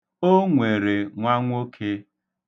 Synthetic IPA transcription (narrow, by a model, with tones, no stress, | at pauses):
o˦ŋʷe˨ɾe˨ŋʷa˦ŋʷ˦o˦kʰe˦